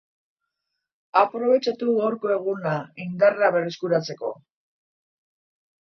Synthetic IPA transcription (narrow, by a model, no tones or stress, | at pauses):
apɾo̞βe̞t͡ʃat̪uɣawɾko̞e̞ɣ̞unaiŋɡ̪araβe̞reskuɾat͡se̞ko̞̰